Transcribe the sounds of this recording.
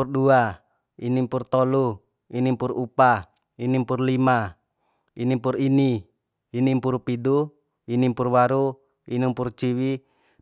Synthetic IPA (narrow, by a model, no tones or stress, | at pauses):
urdua | inimpurt̪olu | inimpurupa | inimpurlima | inimpuriniː | nimpurpidu | inimpurwaɾu | inimpurt͡ʃiwi